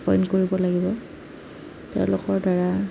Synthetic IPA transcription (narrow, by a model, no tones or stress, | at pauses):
pɔjnkoɹibɔlaɡibɔ | tɛ̰ʊ̃lʊkɔɹdaɹa